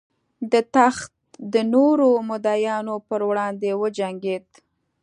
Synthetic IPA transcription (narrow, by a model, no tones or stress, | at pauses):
d̪ət̪axt̪̚d̪ənoɾomʊd̪ɑjɑnopəɾwɽɑnd̪ewəd͡ʒaŋɡed̪